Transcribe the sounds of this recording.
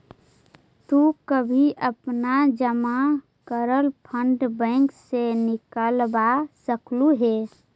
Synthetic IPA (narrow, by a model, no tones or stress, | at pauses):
t̪ukəbʱiʔəpnad͡ʒəma | kəɾəlpʰəɳɖbə̃ŋksenɪkəlbasəkluɦe